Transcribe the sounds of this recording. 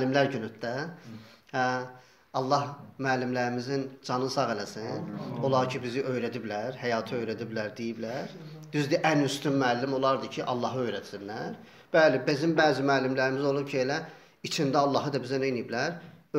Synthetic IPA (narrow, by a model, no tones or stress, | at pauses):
lːimlæɾɟynyt̪̚d̪æ | hæ | ɑlˠːɑhmæːlːimlæɾimizind͡ʒɑnɯsɑɣelæsino̞lˠɑɾcʰibiziʔø̞jɾæd̪iblæɾhæjɑːt̪ʰɯø̞jɾæd̪iblæɾd̪ijiblæɾ | d̪izd̪iʔænyst̪ymmæːlːimo̞lˠɑɾd̪ɯcʰiʔɑlˠːɑɦɯø̞jɾæt̪sinlæɾ | b̥æːlibizimbæːzimæːlːimlæɾimizo̞lˠubcʰielæ | it͡ʃʰind̪æɑlˠːɑɦɯd̪ɑbizænenijiblæɾ